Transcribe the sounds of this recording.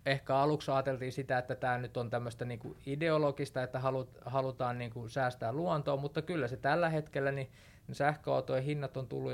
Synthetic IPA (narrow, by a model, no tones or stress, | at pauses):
ehkæɑluksɑːt̪elt̪iːsit̪æet̪ːæt̪æːnyt̪ont̪æmːøst̪æniːŋkṵideolokist̪ɑet̪ːæhɑluthɑlut̪ɑːnniːŋkusæːst̪æːlluɑnt̪oːmut̪ːɑkylːæset̪ælːæhet̪kelːæni | nsæhkøɑ̰ut̪ojhinːɑt̪ont̪ṵlːu